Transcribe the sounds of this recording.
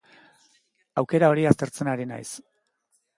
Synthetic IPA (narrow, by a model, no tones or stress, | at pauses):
awke̞ɾao̞ɾiast̪e̞ɾt͡se̞naɾina̰js